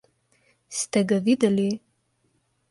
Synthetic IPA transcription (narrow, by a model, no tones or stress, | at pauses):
stʰɐɡɐvidɐli